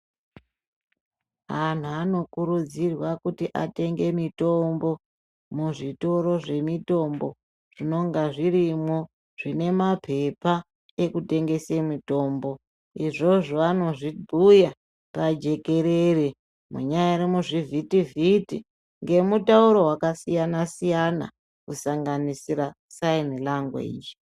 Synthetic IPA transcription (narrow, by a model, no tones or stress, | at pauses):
ɦan̤uano̞kuɾud͡zirwakutiʔate̞ŋɡe̞mito̞mbo̞ | muʐito̞ɾo̞ʐe̞mito̞mbo̞ | ʐ̥ino̞ŋɡaʐiɾimo | ʐ̥ine̞mapʰe̞pa | e̞kute̞ŋɡe̞semito̞ːmbo̞ | iʐo̞ʐoano̞ʐiduja | pad͡ʒe̞ke̞ɾere | mṵɲajaɾemuʐivʱitivitḭ | ŋɡe̞mutauɾo̞ɦwakasijanasijana̰ | kusaŋɡanisiɾa | sainilaŋɡwa̰ḭːd͡ʒi̥